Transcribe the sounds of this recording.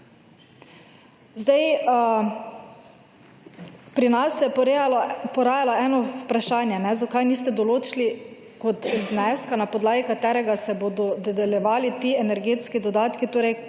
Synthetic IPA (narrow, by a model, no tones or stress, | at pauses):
zd̪aj | pɾinasːɛjɛ | pɔɾaːjalaʔɛːnɔpɾaʃaːnjɛnɛzakajniːst̪ɛd̪ɔloːt͡ʃili | kɔt̪znɛskanapɔd̪laːɡikat̪ɛːɾɛɡasɛboːd̪ɔd̪ɛd̪ɛljɛʋaːlit̪iːɛnɛɾɡeːt̪skid̪ɔd̪aːt̪kit̪oːɾɛj